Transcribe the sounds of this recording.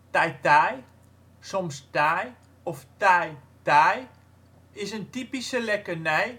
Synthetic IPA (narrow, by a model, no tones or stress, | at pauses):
tajtaj | sɔmstaj | ɔftaj | taj | ɪsəntipisəlɛkənɛj